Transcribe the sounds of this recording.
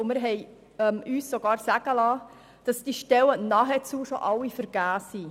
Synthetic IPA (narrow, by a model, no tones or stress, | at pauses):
mɪɾɦɛɪ | ɛmyːsːɔɡɑːɾsæɡ̥əlɑː | d̥ɑsd̥iʃtɛwənɑɦɛt͡suːʃɔ̰ʔɑwifəɾɡ̥æːsi